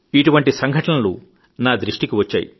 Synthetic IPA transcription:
iʈuʋɐɳʈisɐŋɡʱɐʈɐnɐlṵ | naːd̪ɾiʂʈikiʋɐt͡ʃːa̰ːjḭ

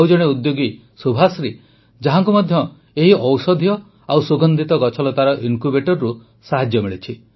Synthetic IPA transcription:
wd͡ʒɔɽ̃eud̪joɡi | subʱasɾi | d͡ʒaɦaŋkumɔd̪ʱjɔ | eɦiʔɔwsɔd̪ʱjɔ | awsuɡɔnd̪ʱit̪ɔɡɔt͡ʃʰɔlɔt̪aɾɔʔinkubeʈɔɾːu | saɦad͡ʒjɔmiɭit͡ʃʰi

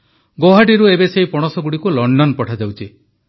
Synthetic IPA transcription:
ɡoɦaʈiɾuebesejpɔɽ̃ɔsɔɡuɽikulɔɳɖɔnpɔʈʰad͡ʒawt͡ʃʰi

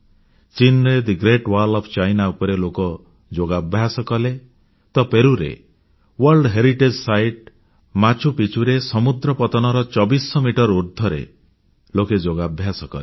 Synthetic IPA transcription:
t͡ʃinɾed̪iɡɾeʈwaɾlɔpʰt͡ʃajnaupɔɾelokɔ | d͡ʒoɡabʱjasɔkɔle | t̪ɔpeɾuɾḛ | wɔɾlɖɦeɾiʈed͡ʒsajʈ̚ | mat͡ʃʰupit͡ʃʰuɾesɔmud̪ɾɔpɔt̪ɔnɔɾɔt͡ʃɔbisɔmiʈɔɾuɾd̪ʱɔɾḛ | loked͡ʒoɡabʱjasɔkɔ̰le

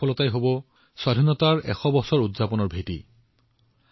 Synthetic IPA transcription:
ɔlɔtajɦobɔ | swadʱinɔtaɹɛ̰xɔbɔsɔɹudzapɔnɔɹbʱetḭ

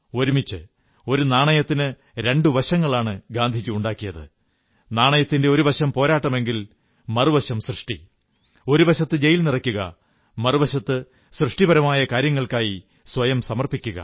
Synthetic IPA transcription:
o̞ɾumit͡ɕːɨ | o̞ɾunaːɳɐjɐt̪ːinɨ | ɾe̞ɳɖuʋɐɕɐŋːɐɭaːɳɨɡaːnd̪ʱikʲːuuɳɖaːkːijɐðɨ̰ | naːɳɐjɐt̪ːinde̞o̞ɾuʋɐɕɐmpo̞ːɾaːʈːɐme̞ŋɡil | mɐrɨʋɐɕɐmsrɨʂʈḭ | o̞ɾuʋɐɕɐt̪ːɨd͡ʑe̞jilnirɐkʲːuɣɐ̰ | mɐruʋɐɕɐt̪ːɨ | srɨʂʈibɐɾɐmaːjɐkaːɾjɐŋːɐɭkaːji | swɐjɐmsɐmɐrpikʲːuɣɐ̰

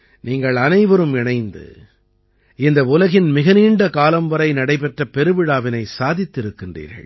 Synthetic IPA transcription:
niːŋɡɐɭɐnɐɪʋɐɾɯmɪɳɐɪnd̪ɯ̰ | ɪnd̪ɐʊlɐɣɪnmɪɣɐniːɳɖɐkaːlɐmʋɐɾɐɪnɐɽɐɪpɛʈrɐpɛɾɯʋɪɽaːʋɪnɐɪsaːðɪt̪ːɪɾɯkːɪndrḭːɾɣɐ̰ɭ

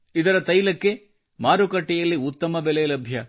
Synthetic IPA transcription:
id̪ɐɾɐt̪ɐjlɐkːe̞ | maːɾukɐʈːɛjɐlːiut̪ːɐmɐbɛlɛːlɐbʱjɐ

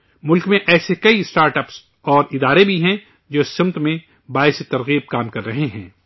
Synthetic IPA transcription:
mʊlkmẽʔɛːsekɐiɪsʈaːɾʈɐps | ɔːɾɪd̪aːɾebʱiɦɛ̃ | d͡ʒoːɪsɪ̃mt̪mẽ | baːɪset̪ɐɾɣiːb̚kaːmkɐɾːɐɦeɦɛ̰̃ː

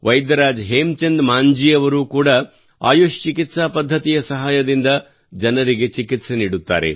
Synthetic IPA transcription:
ʋɐjd̪ɐɾaːd͡ʒɦeːmt͡ʃɐnd̪maːɲd͡ʒijɐʋɐɾuːkuːɽɐ | a̰ːjuːʃt͡ʃikit̪saːpɐd̪ʱːɐt̪ijɐsɐɦaːjɐd̪ind̪ɐ | d͡ʒɐnɐɾiɡe̞t͡ʃikit̪seniːɽut̪ːa̰ːɾḛ

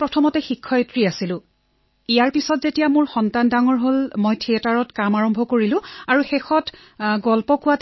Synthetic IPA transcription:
pɹɔtʰɔmɔtɛxikʰːɔjtɹiasilʊ̃ | ijaɹpisɔtzetijamʊɹxɔntandaŋɔɹɦolmojtʰiɛtaɹɔtkamaɹɔmbʱɔkoɹilʊ̃aɹuxexɔt | ɡɔlpɔkʊwat

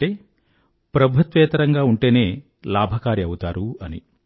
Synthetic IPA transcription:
eː | pɾɐbʱut̪ʋɛːt̪ɐɾɐŋɡaːuɳʈe̞ːneː | laːbʱɐkaːɾiɐwut̪aːɾuɐnḭ

